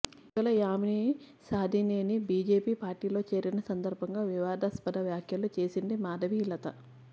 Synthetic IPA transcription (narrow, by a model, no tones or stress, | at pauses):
iɐlɐjaːmini | saːd̪ʱineːnibiːd͡ʒe̞ːpiːpaːɾʈiːlo̞ːt͡ʃe̞ːɾinɐsɐnd̪ɐɾbʱɐŋɡaːʋiʋaːd̪ɐspɐd̪ɐʋjaːkʰjɐlut͡ʃe̞ːsind̪imaːd̪ɐʋilɐt̪ɐ